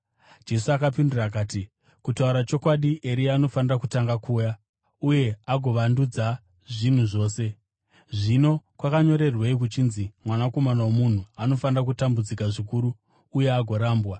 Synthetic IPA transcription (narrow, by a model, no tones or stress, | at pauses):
d͡ʒe̞suakap̬indirak̬aːti | kutauɾat͡ʃo̞kwaɗiʔeɾiaːno̞fanirakutaŋɡakʰuːja | uje̞aɡʱo̞ʋandud͡za | ʐin̤uʐo̞ːse̞ | ʐino̞kwakaɲo̞ɾe̞rweik̬ut͡ʃinzimwanako̞manawomun̤uano̞fanirakutambud͡zikaʐikuɾuː | je̞aɡʱo̞ɾaːmbwa